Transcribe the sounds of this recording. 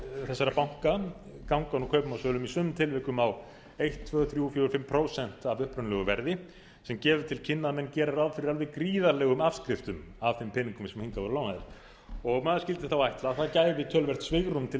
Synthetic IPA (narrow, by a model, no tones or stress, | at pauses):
θɛsːaɾapawŋ̥ka | kawŋkanukʰœɥpmawsœːlʏmisœːmʏmt̪ʰɪlvɪhkʏmaw | ejht̪t̪ʰvœːɣʏθɾjufjɔɾʏfɪmːpʰɾoːwsɛn̥t̪avʏhpɾʏnlɛɣʏvɛ̰ɾðɪ | sɛmcɛːvʏt̪ʰɪlcʰɪnːaðmɛnːcɛːɾaɾaðfɪɾɪɾalvɪkɾiːðaɾlɛɣʏmav̥skɾɪft̪ʏmavθɪmpʰɪniŋkʏmsɛmhiŋk̪avɔɾlawnaðɪɾ̥ | ɔɣmaːðascɪlt̪ɪθawajht̪laθaðcaːjvɪt̪ʰœːlvɛr̥t̪svɪɣɾumt̪ʰɪ